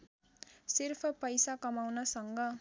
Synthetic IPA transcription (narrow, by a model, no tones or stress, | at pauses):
sirpʰʌpʌjsakʌmawnʌsʌŋɡʌ